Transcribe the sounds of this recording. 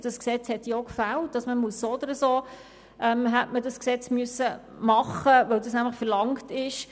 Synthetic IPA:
d̥ɑsksɛt͡shɛtjokfælt̚d̥ɑsməmuəsːod̪əɾəsoː | ʔɛmɦætmədɑsksɛt͡smyəsːə | mɑχəʋœwdɑsnæmləχfəɾlɑŋktɪʃ

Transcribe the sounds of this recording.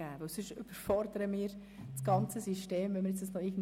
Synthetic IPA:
æːb̥əsɪʃyb̥əɾfɔɾd̪əɾəmiːɾ | t͡sɡ̥ɑnt͡səsiʃteːmʋɛnməɾjɛt͡sdəsnɔɪɡən̩

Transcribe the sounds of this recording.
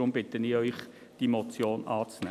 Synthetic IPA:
ʊmb̥ɪt̪əniːœʏχ | d̥imɔt͡sjoːnɑːt͡snɛ

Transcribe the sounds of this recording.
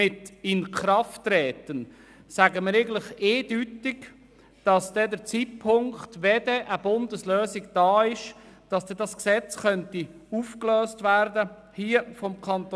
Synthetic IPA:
ɪtɪnkɾɑftːɾɛːtən | sæɡəməɾeɡələχeːd̥ytɪɡ | d̥ɑsd̥ɛdəɾt͡siːt̚pʰʊŋktʋɛd̥ɛʔəb̥ʊndəsløːsɪɡd̥ɑːɪʃ | d̥ɑsd̥ɛdɑsksɛt͡sχœnti | uːfkløːstvæɾdə | hiːəfɔmkʰɑnt̪

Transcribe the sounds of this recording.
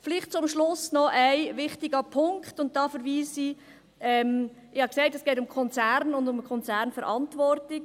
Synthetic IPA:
flɪχt̚t͡sʊmʃlʊsnɔʔæɪʋɪχtɪɡəpʰʊŋktʊnt̚d̥ɑːfəɾʋiːsi | ɛm | ɪhɑksæɪtɛsɡ̥ɛːtʊmkʰɔnt͡sæɾnʊndʊməkʰɔnt͡sæɾnfɛɾʔɑntʋɔɾtɪk

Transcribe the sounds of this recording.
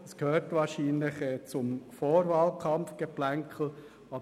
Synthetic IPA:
əskøːɾtvɑːɾʃiːnlɪχɛt͡sʊmfoːɾvɑːlkʰɑmfɡ̥ɛplæŋkʰl̩ | ɑ

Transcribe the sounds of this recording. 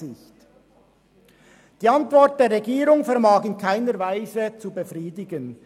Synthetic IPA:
ɪçt | d̥iːantv̥ɔɾt̚d̥eːɾʁɛɡiːɾʊŋfɛɐmaːɡɪnkʰaɪnəɾvaɪzət͡subəfʁiːdɪɡən

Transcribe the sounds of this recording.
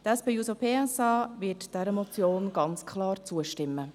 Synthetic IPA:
tɛspejusopʰeɛsɑːʋɪtd̥ɛɾəmɔt͡sjoːnɡ̥ɑnt͡skʰlɑːɾt͡suəʃtɪmːə

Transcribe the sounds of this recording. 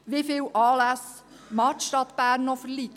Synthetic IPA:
ʋɪfɪːwʔɑːlæs | mɑːt̪ʃtɑt̪b̥æːɾnːɔfəɾlit̪

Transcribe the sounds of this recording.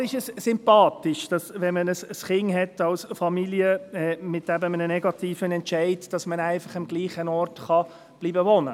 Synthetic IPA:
ɾɪʃəssʏmpɑːtɪʃd̥ɑsʋɛnmənəsəsχɪŋɦɛtːɑlsfɑmiliəɛːmɪtːæbəmənənɛɡɑtiːfənɛntʃæɪdd̥ɑsmənæɪfɑχɑmɡliːχənɔrtχɑ | b̥liːbəvɔnə

